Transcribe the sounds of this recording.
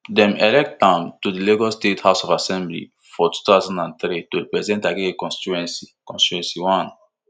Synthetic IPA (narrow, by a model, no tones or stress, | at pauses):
dɛ̃mɛlɛk̚tãmtudileɡɔstethaʊsɔfasɛ̃mblḭ | fɔtu̥t̪aʊzãndãnt̪ɾitoɹipɹɛzidɛ̃ntaɡeekɔ̃nsti̥t͡ʃuɛ̃nsikɔ̃nsti̥t͡ʃuɛ̃nsiwɔ̃n